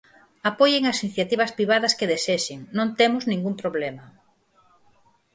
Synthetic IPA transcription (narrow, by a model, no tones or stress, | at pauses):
apojeŋɐsinθjat̪iβ̞ɐspɾiβ̞aðɐskeðeseʃɪŋnõnt̪emʊznĩŋɡumpɾoβlɛmɐ